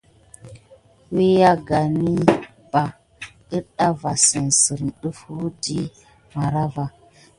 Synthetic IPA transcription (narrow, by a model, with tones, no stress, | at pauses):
wi˦ja˦ɡa˨ni˦ | b̥a˨ | ə˦ɗa˦va˨sə˨nsə˨ɾn˨ɗə˦fu˦di˦ | ma˨ɾa˦va˨